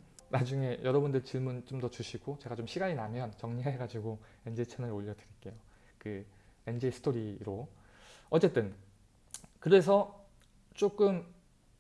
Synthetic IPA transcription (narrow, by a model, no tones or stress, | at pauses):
nad͡ʑuŋe̞jʔʌɾʌbundɯɭt͡ɕiɭmunt͡ɕ͈omdʌt͡ɕuɕʰiɡot͡ɕe̞ɡat͡ɕomɕʰiɡaɲinamjʌnt͡ɕʌŋɲiɦeeɡad͡ʑiɡo | e̞nd͡ʑet͡ɕʰʌnɯɾoʎːʌdɯɾik͈e̞jo | kɯend͡ʑesʰɯ̥tʰoɾiɾo | ʌt͡ɕ͈e̞t͈ɯn | kɯɾe̞s̬ʰʌ | t͡ɕ͈ok͈ɯm